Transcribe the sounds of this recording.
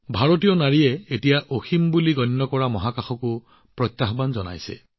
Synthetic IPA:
bʱaɹot̬ijɔnaɹiɛetijaʔoximbuliɡɔnːɔkɔɹamɔɦakaxɔku | pɹɔt̪ːaɦbanzɔna̰jsḛ

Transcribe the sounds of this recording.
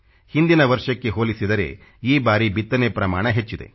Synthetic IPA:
hind̪inɐʋɐɾʂɐkːe̞ɦoːlisid̪ɐɾe̞̰ː | iːbaːɾibit̪ːɐnepɾɐmaːɳɐɦet͡ʃːid̪e̞̰

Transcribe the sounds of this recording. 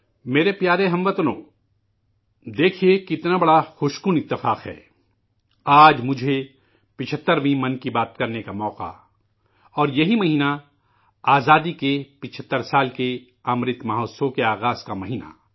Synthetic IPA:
meːɾepjaːɾeɦɐ̃mʋɐt̪nõ̰ː | d̪eːkʰiekiɪt̪nabɐɽaxʊʃkʊnɪt̪ːɪfaːqɦɛ̰ː | aːd͡ʒmʊd͡ʒʱe | pɪt͡ʃʰət̪ːəɾʋĩmɐnkibaːt̪kɐɾnekamɔːqa̰ | ɔːɾjɐɦimɐɦiːna | aːzaːd̪ikepɪt͡ʃʰət̪ːəɾsaːlke | ɐmɾɪt̪maːɦɔːsõkeaːɣaːzkamɐɦiːna̰

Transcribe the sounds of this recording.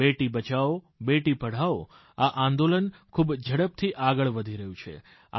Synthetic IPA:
eʈibət͡ʃao | beʈipəɽ̤ao | aʔãnd̪olənkʰubd͡ʒʱəɽəp̚t̪ʰiʔaɡəɭʋəd̪ʱiɾəɦjũt͡ʃʰḛ | a̰

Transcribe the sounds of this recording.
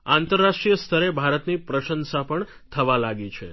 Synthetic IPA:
ant̪əɾːaʃʈɾijəst̪ʰəɾebʱaɾət̪nipɾəʃənsapəɳ | t̪ʰəʋalaɡit͡ʃʰe

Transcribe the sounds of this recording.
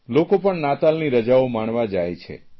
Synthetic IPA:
lokopəɳnat̪alniɾəd͡ʒaomaɳʋad͡ʒajt͡ʃʰḛ

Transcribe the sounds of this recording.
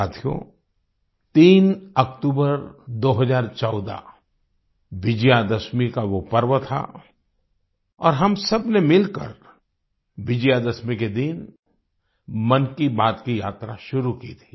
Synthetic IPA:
aːt̪ʰijo̰ | t̪iːnɐkʈuːbəɾd̪oːɦɐzaːɾt͡ʃɔːd̪a̰ | ʋɪd͡ʒjad̪ɐsmikaʋopɐɾʋət̪ʰa̰ | ɔːɾɦɐmsɐbnemɪlkə̰ɾ | ʋɪd͡ʒjad̪əsmiked̪in | mɐnkibaːd̪kijaːt̪ɾaʃʊɾukit̪ʰi̥ː

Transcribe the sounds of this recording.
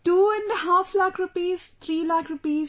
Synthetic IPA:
ʈuːɛ̃ɳɖɦaːflaːkɾʊpiːzt̪ʰɾiːlaːkɾʊpiːz

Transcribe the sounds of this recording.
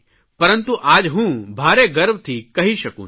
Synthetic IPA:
pɐɾə̃nt̪uʔaːd͡ʒɦũːbʱaːɾeɡɐɾʋt̪ʰikɐɦiʃɐkṵ̃ː

